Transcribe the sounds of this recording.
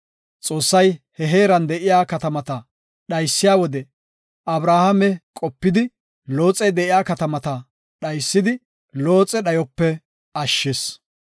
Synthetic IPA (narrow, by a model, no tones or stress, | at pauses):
t͡sʼo̞ːsːɐjhɛɦe̞ːɾɐnd̪ɛʔɪjaːkɐt̪ɐmɐt̪ɐ | ɗɐjsːɪjaːwɔd̪ɛ | ʔɐbɾaːhɐmɛkʼɔpːɪd̪ɪ | lo̞ːt͡sʼɛjd̪ɛʔɪjaːkɐt̪ɐmɐt̪ɐ | ɗɐjsːɪd̪ɪ | lo̞ːt͡sʼɛɗɐjɔpːɛ | ɐʃːes